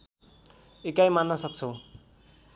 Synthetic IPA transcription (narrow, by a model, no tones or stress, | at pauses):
ekajmanːʌsʌk̚t͡sʰo